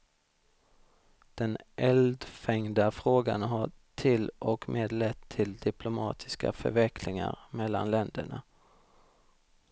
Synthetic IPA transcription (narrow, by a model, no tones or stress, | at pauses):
d̪̥ɛnʔɛld̪fɛŋd̪afɾoːɡa̰nɦaʈʰɪlʔɔkmʔeːd̪lɛt̪ʰːɪld̪ɪplʊmɑːt̪ʰɪ̥ska̰fœɾvɛkʰlɪŋa̰ɾmɛlːa̰nlɛnd̪əɳa